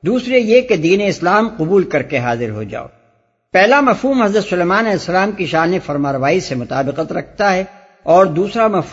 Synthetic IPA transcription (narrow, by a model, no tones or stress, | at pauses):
d̪uːsɾejeked̪iːneɪslaːmqʊbuːlkɐɾkeɦaːzɪɾɦo̰d͡ʒa̰ːo̰ː | pɛɦlamɐfɦuːmɦɐzɾət̪sʊleːmaːnlɛsːɐlaːmkiʃaːnefɐɾmaːɾʋaːisemʊt̪aːbɪqət̪ɾɐk̚ʰt̪aɦɛ | ɔːɾd̪uːsɾamɐf